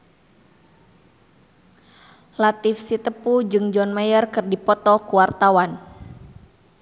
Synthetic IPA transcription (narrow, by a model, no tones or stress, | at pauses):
lat̪ifsit̪əpud͡ʒɨŋd͡ʒɔnmajərkɨrdipɔt̪ɔkuwart̪awan